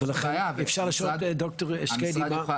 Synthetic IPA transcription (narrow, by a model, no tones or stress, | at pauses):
elaχeefʃaʁliʃoled̪okt̪oʁeʃkenima